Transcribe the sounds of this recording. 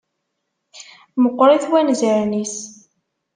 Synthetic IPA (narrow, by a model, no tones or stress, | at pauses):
məqːɾˤiθwænzəɾnis